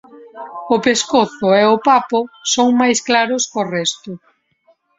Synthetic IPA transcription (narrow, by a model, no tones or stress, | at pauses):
opeskoθʊeʊpapʊsoŋmajsklaɾʊskorɛst̪ʊ